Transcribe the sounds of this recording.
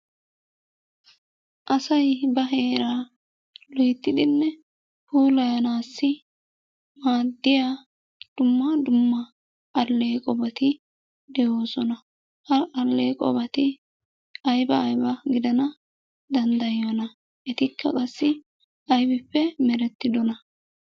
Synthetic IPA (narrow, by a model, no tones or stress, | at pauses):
ʔɐsɐjbɐɦe̞ːɾaː | lɔjt̪ːɪd̪ɪnːɛ | puːlɐjɐnaːsːɪ | maːd̪ːɪjaː | d̪̥ʊmːɐd̪ʊmːɐː | lːeːkʼɔbɐt̪ɪ | d̪ɛjo̞ːsɔnɐ | hɐʔɐlːeːkʼɔ̰bɐt̪ɪ | ɐjbɐːjbɐɡɪd̪ɐnɐ | d̪ɐnd̪ɐjɔnɐ | ʔɛt̪ɪkːɐ̰kʼɐsːɪ | ɐjbɪpːɛmɛɾɛt̪ːɪd̪ɔnɐ